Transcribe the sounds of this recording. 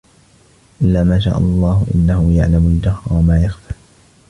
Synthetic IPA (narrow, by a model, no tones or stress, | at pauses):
ʔɪlːaːmaːʃ̬a̰ːʔɑlˤːɑːhʊʔɪ̰nːahʊjaʕlamʊld͡ʒahwamaːjaxfaː